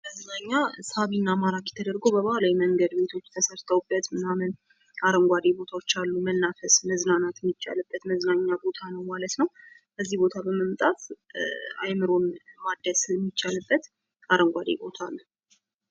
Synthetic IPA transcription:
məzɨnaɲːashaβinːamaɾakjɛt̪ʰəd̪əɾɡobəβahlawjɛməŋɡəd̪be̞t̪ʰo̞t͡ʃːt̪ʰəsəɾt̪ʰəwbət̪mɨnamɨn | aɾəŋɡʷad̪ebo̞t̪ʰawo̞t͡ʃːalːumənːafəsnəzɨnanat̪ɛmːit͡ʃːa̰lɨbːət̪məznaɲːabo̞t̪ʰanəwmalət̪nəw | bəzːihbo̞t̪ʰabəməmt̪ʼat̪ | ajmɨɾo̞mmad̪ːəsmːit͡ʃːalɨbːət̪ | aɾəŋɡʷad̪ḛbo̞t̪ʰalːu

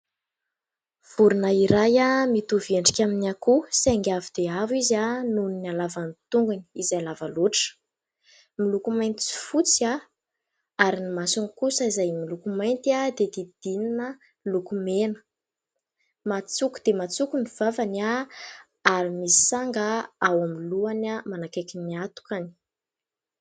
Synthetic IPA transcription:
v̥uɾunaiɾajamit̪uveɳɖ͡ʐikʲaminakuseŋɡʲavid̪̥eavizanuninalavanit̪uŋɡuni̥izaalavaluʈ͡ʂə̥ | milukumajnt̪i̥si̥fut͡sia | aɾinimasunikusəizajmilukumajnt̪ad̪ed̪id̪̥ininə | lukumenə̥ | mat͡suku̥d̪̥emat͡sukuniv̥avana | aɾimisi̥saŋɡaawamiluanamanakekiniat̪u̥kani̥

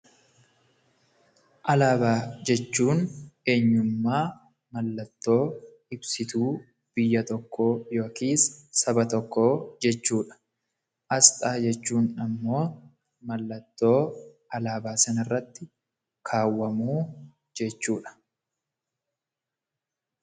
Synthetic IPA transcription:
ʔɐlaːbaːd͡ʒɛt͡ʃːuːne̞ːɲːʊmːaː | mɐlːɐt̪ːo̞ː | ɪbsɪt̪uː | b̥ɪjːɐt̪ɔkːo̞ːjo̞ːkiːsːɐbɐt̪ɔkːoːd͡ʒɛt͡ʃːuːᶑɐ̥ | ʔɐst̪ʼaːd͡ʒɛt͡ʃːuːnɐmːo̞ː | mɐlːɐt̪ːo̞ː | ɐlaːbaːsɐnɐrːɐt̪ːɪ | kʰaːwːɐmuː | d͡ʒɛt͡ʃːuːᶑɐ̥

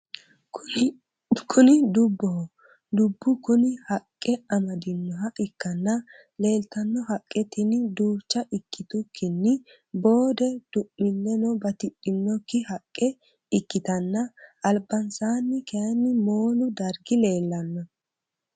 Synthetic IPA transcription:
kʰʊnɪd̪ʊbːɔhɔ | d̪ʊbːʊkʊnɪhɐkʼːɛɐmɐd̪ɪnːɔɦɐʔɪkːɐnːɐ | le̞ːlt̪ɐnːɔɦɐkʼːɛt̪ɪnd̪uːt͡ʃːɐʔɪkːɪt̪ʊkʰːɪnːɪ | bo̞ːd̪ɛd̪̥ʊʔːɪnːɛnɔbɐt̪ɪɗʼːɪnːɔkːɪhɐkʼːɛ | ɪkːɪt̪ɐnːɐʔɐlbɐnsaːnːɪkɛjɐnːɪmo̞ːlʊd̪ɐɾɡɪle̞ːlːɐnːɐ

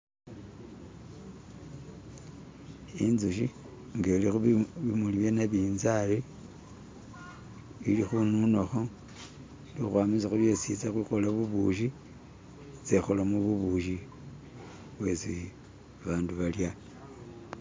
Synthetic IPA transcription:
inzuʃi | ŋɡelixuβimuliβjenaβiːnzali | ilixununoxo | lixwamit͡saxuβjesit͡saxwixo̞laβuβuʃ̬i | t͡sexolamuβuβuʃi | βwesi | βaːnduβalja

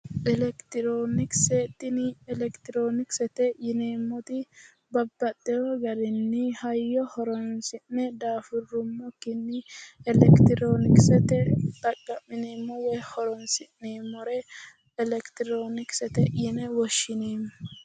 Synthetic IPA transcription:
ʔɛlɛkt̪ɪɾoːnɪkset̪ːɪnɪɛlɛkt̪ɪɾoːnɪksɛt̪ɛjɪneːmːɔt̪ɪ | bɐbːɐt̪ʼːɛhɔɡɐɾɪnːɪhɐjːɔhɔɾɔnsɪʔːɛd̪aːfʊrːʊmːɔkːɪnːɪɛlɛkt̪ɪɾoːnɪksɛt̪ɛt̪ʼɐkʼːɐmːɪneːmːɔwɛjhɔɾɔnsɪʔneːmːɔɾɛː | lɛkt̪ɪɾoːnɪksɛt̪ɛjɪnɛwɔʃːɪneːm

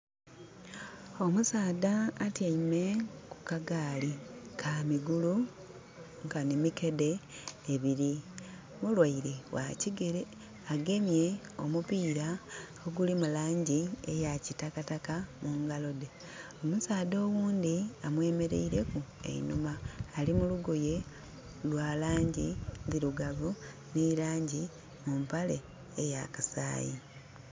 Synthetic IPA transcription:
o̞musaːdaːtjaime̞ku̥kaɡaːlikʰamiɡulu | ŋkanimike̞de̞ːβiɾi | mulwaiɾe̞wa̰ciɡe | aɡe̞mje̞o̞̰mupiːɾa | oɡulimulaːɲɟiejacitakatakamuŋɡalo̞de̞ | omusaːd̪o̞ːɣuːnd̪iamwe̞ːme̞ɾe̞̰iɾe̞kuḛḭnumaːlimuluɡo̞je̞ | lwaːlaːɲɟiðiɾuɡaβu | nilaːɲɟi | mumpale̞ | ejakasa̰ːji

